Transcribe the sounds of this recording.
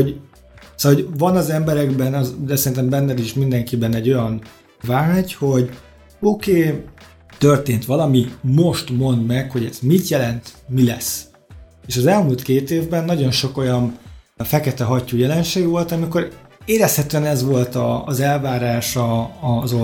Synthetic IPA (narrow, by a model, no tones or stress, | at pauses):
oɟ | soɦoɟvɒnɒzɛmbɛɾɛɡbɛnɒzd̪ɛsɛɾint̪̬ɛmbɛnːɛd̪iʃmind̪ɛŋkibɛnɛɟːo̞jɒn | vaːɟho̞ɟ | okeː | t̪ørt̪eːnt̪ʋɒlɒmimo̞ʃt̪mo̞nd̪mɛkho̞ɟɛz̥mit̪jɛlɛnt̪milɛ̰s | eːʃɒzɛlmuːlt̪keːt̪eːvbɛnːɒɟo̞nʃo̞ko̞jɒn | fɛkɛt̪ɛɦɒcːujɛlɛnʃeːɡʋo̞lt̪ɒmiko̞ɾeːɾɛshɛt̪øɛnɛzʋo̞lt̪ɒːzɛlvaːɾaːʃɒːzo